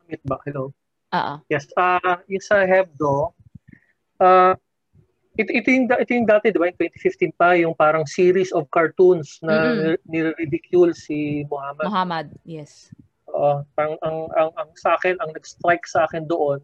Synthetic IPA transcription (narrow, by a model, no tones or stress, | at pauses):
ɐmɪt̪̚bɐkhɛlo | ʔoːʔojɛsajʊŋsɐɦɛv̚d̪o | ʔa | ʔɪt̪oʔɪt̪ojʊŋd̪ʔɪt̪ojʊŋd̪aːt̪ɛd̪ɪbajʊŋt̪wɛnt̪ɪ̥fift̪inpɐjʊŋpaːɾɐŋsiːɾisɔvkɐɹt̪unsnɐnɪɾɪɾɪd̪ɪkʰjulsimʊhaːmɐɦamɐd̪̚jɛs | ʔoʔopaɐŋʔɐŋʔɐŋɐŋsɐʔaːkɛnɐŋnɐɡst̪ɾajksɐʔaːkɛnd̪oʔon